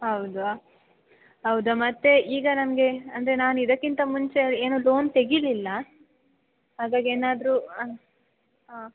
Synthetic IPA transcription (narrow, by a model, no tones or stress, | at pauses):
ɦɐwd̪u | ɦɐwd̪ɐmɐt̪ːe̞ʔiːɡɐnɐmɡe̞ɐnd̪ɐɾe̞naːnid̪ɐkːint̪ɐmuɲt͡ʃe̞eːnoːloːnt̪e̞ɡililːɐ | ɦaːɡaːɡieːnaːd̪ɾu | ɦaː